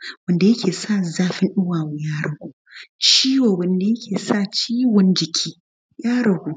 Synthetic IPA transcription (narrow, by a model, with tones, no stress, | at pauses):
wɐ˨nda˨jɐ˦kʲʰeː˨sa˦˨zaː˦ɸɪ˦nɗʊ˦waː˨wo˨jaː˦ɽɐ˨ɡʷuː˨˦t͡ʃiː˦woː˨wɐ˨nda˨jɐ˦kʲʰeː˨sa˦˨t͡ʃiː˦wɔ˦nd͡ʒɪ˨kʲʰiː˦ | jaː˦ɽɐ˨ɡʷu˨